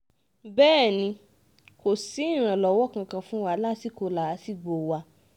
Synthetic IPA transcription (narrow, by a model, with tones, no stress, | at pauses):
bɛː˦˨nĩ˧ | ko˨si˨˦ĩ˦˨ɾ̃ã˨lɔ˨˦wɔ˦kã˧kã˧fũ˦wa˧˦la˦si˦˨ko˧la˨˦si˦˨ɡ͡bo˨wa˧